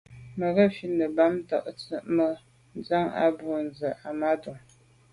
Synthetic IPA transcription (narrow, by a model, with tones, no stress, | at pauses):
mə˨ɣə˦˨fi˦nə˨ba˦mta̰˨ʔt͡sə˦ʔmə˦ | n̩˦d͡za˦ŋa̰˦bu˦n˨zə˨ʔa˨ma˦du˨ŋ